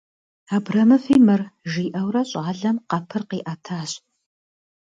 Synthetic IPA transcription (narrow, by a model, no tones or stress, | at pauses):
aːbrɐmɨfiːmɨrʒiːʔɐwrɐɕʼaːɮɐmqɐpʰɨrqiːʔatʰaːɕ